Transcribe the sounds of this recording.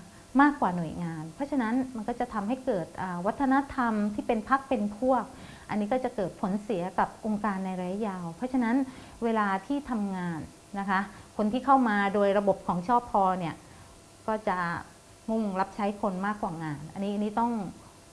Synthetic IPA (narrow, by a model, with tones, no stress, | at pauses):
maː˥˩kwaː˨˩nu˨˩əjŋaː˧npʰɾɔ˦˥t͡ɕʰa˧na˦˥nma˧nkɔː˥˩t͡ɕa˨˩t̪ʰa˧mɦa˥˩jkɤː˨˩t̪̚ʔaː˨˩wa˦˥t̪ʰːa˧na˦˥t̪ʰa˧mt̪ʰiː˥˩pe˧npʰa˦˥k̚pe˧npʰu˥˩ək̚ | ʔa˧nːi˦˥kɔ˥˩t͡ɕa˨˩kɤː˨˩t̪̚pʰo˩˦nsi˨˩˦ɐka˨˩p̚ʔo˧ŋkaː˧nːa˧jɾa˧ja˦˥jaː˧wpʰɾɔ˦˥t͡ɕʰa˧na˦˥n | weː˧laː˧t̪ʰiː˥˩t̪ʰa˧mŋaː˧nː | a˦˥kʰa˦˥kʰo˧nt̪ʰiː˥˩kʰa˥˩wmaː˧doː˧jɾa˧bo˨˩p̚kʰɔː˩˦ŋt͡ɕʰɔː˥˩pʰːɔː˧ni˥˩ɐ | kɔː˥˩t͡ɕa˨˩ | ŋu˥˩ŋɾa˦˥p̚t͡ɕʰa˦˥jkʰo˧nmaː˥˩kːwaː˨˩ŋaː˧nʔa˧nːi˦˥ʔa˧nːiː˦˥t̪ɔ˥˩ŋ